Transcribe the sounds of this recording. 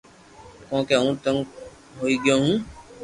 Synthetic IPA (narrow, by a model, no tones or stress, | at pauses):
kõːkeũːt̪əŋɡ | ɦoːiːɠɪjõːɦũː